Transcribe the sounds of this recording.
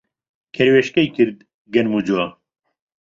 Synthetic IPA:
kʰɛɾweʃkɛjkɨɾd̪ | ɡɛnmud͡ʒua

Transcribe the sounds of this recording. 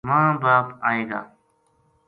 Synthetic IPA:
mãːbaːpaːeːɡa̰ː

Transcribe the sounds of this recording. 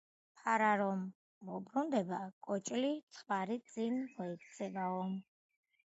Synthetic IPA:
pʰaɾaɾɔmː | ɔbɾund̪ɛbakʼɔt͡ʃʼlit̪sʰχwaɾit̪sʼinmɔikt̪sʰɛbaɔm

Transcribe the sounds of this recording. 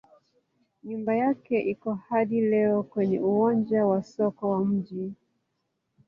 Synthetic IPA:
ɲumbajakɛʔikɔhaɗilɛɔkwɛɲɛuwɔnd͡ʒawasɔkɔwam̩ʄi

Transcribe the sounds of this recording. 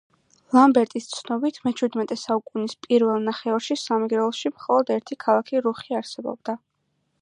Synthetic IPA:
lˠambɛɾt̪ʼist̪sʰnɔbit̪ʰmɛt͡ʃʰwid̪mɛt̪ʼɛsaukʼunispʼiɾvɛlˠnaχɛɔɾʃisamɛɡɾɛlˠʃimχɔlˠɔd̪ɛɾt̪ʰikʰalˠakʰiɾuχiaɾsɛbɔ̰bd̪a

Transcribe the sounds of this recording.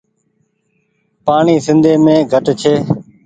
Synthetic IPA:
paːɳiːsɪ̃nd̪ʱeːmẽːɡʱəʈt͡ʃʰeː

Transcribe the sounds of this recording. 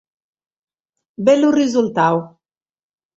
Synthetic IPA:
bɛlurizult̪aw

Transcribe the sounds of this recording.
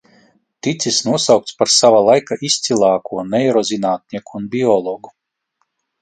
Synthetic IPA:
t̪it̪sʲisnuɔsawk̚t̪spaɾsavalˠajkaʔisʲt̪silˠɑːkuɔnɛɛɾɔzinaːt̪̚nʲiɛkuːnbʲiɔlˠɔɡu

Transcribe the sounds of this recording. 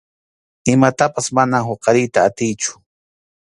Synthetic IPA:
ɪmat̪apasmanahoqɑɾɪjt̪aːt̪ɪjt͡ʃʊ̥

